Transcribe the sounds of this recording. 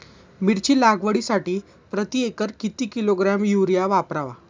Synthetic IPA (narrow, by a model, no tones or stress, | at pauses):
miɾt͡ɕiːlaɡʋəɽisaʈiː | pɾət̪iekəɾkit̪iːkiloɡɾamjuɾjaʋapɾaʋa̰